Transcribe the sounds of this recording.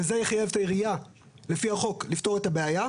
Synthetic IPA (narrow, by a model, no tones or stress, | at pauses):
ezejeχajevt̪ajeʁija | le̞fiaχo̞klifto̞ʁet̪abeaja